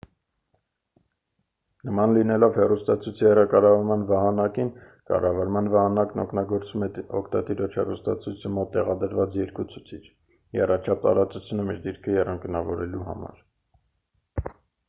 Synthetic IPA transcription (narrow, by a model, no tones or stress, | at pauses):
nəmɑnlinɛlɔvhɛrust̪ɑt͡sʰujt͡sʰijɛrɑkɑrɑvɑɾmɑnvɑɦɑnɑkin | kɑ̰rɑvɑɾmɑnvɑɦɑnɑknɔkʰnɑɡɔɾt͡sumɛɔkʰt̪ɑt̪iɾɔt͡ʃʰhɛrust̪ɑ̰t͡sʰujt͡sʰəmɔt̪ːɛʁɑd̪əɾvɑt͡sjɛɾkut͡sʰujt͡sʰit͡ʃʰ | jɛrɑt͡ʃʰɑp̚t̪ɑ̰ɾɑt͡sut͡sʰjunumiɾd̪iɾkʰəjɛrɑŋkənɑvɔɾɛluɦɑ̰mɑ̰ɾ